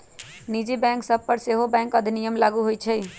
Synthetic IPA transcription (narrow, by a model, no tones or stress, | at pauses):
nid͡ʒibɛ̃ŋksəb̚pəɾseɦobɛ̃ŋkəd̪ʱinijəmlaɡuɦojt͡ʃʰɛj